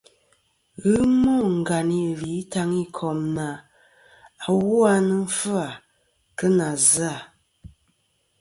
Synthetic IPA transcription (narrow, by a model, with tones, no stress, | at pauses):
ɣɨ˦mɔ˦˨ŋ̩˨ɡa˨ni˨li˨˦ta˦ŋi˦kʰɔ˨mna˨ | a˨wu˦a˦nə˦ɱ̩˦fə˦a˨ | kə˦na˨za˦˨